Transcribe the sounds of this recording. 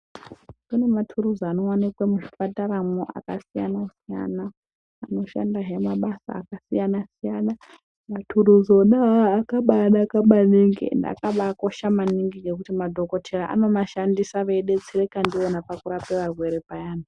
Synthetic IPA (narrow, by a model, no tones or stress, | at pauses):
punematʰuɾuzano̞wanikwamuʐifataɾamoʔa̰kasija̰nasija̰naː | no̞ʃa̰ndaɦemaɓasa̰ːkasijanasijana | matʰuruzoɗaakaɓaɗakaɓaniŋɡḭnda̰kaɓako̞ʃamaniŋɡiɡe̞kutimadʱo̞ko̞tʰeraʔa̰no̞maʃandisaʋe̞ɗe̞d͡zirekandionapakuɾapeʋarwe̞ɾepajaːna